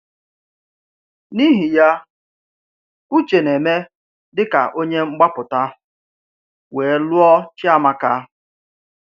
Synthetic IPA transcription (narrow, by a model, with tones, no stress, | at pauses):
ni˦ɦi˨ja˦ | u˦t͡ʃe˨ne˨me˦ | dɪ˦ka̰˨ʔo˦ɲe˦ŋ͡m̩˦ɡ͡ba˦pʊ˨ta˦ | we˨˦lu˦ɔ˦t͡ʃɪ˦a˦ma˦ka˦